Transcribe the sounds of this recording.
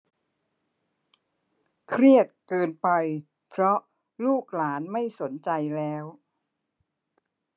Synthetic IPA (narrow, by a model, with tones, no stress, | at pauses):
kʰɾi˥˩ət̪̚kɤː˧npa˧j | pʰɾɔ˦˥ | luː˥˩k̚laː˩˦nma˥˩jso˩˦nt͡ɕa˧jlɛː˦˥w